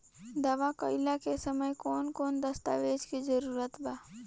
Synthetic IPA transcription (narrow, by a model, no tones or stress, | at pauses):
d̪ɐʋakəɪlakesəməjkɔːnkɔːnd̪əst̪aːʋeːd͡ʒkizəɾuːɾət̪baː